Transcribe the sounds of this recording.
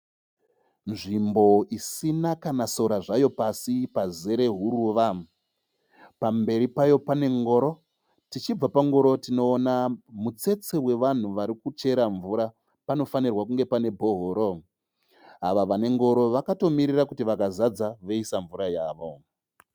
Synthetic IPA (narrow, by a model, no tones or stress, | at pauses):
nʐimbo̞isinakanaso̞ɾaʐajo̞pasipaze̞ɾe̞ɦuɾuʋa | pambe̞ɾipajo̞pane̞ŋɡo̞ɾo̞ | tit͡ʃib͡vapaŋɡo̞ɾo̞tino̞ːnamut͡se̞t͡se̞we̞ʋan̤uʋaɾikut͡ʃe̞ɾaɱvuɾa | pano̞fanirwakuŋɡe̞pane̞bʱo̞ɦoːɾo̞ | aʋaʋane̞ŋɡo̞ɾo̞ʋakato̞miɾirakutiʋakazad͡zaʋoisaɱvuɾajaːʋo̞